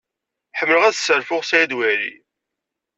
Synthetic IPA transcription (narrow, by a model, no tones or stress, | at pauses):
ħəmːələʁæðsːəɾfʊʁsæjæd̪wæɾḭ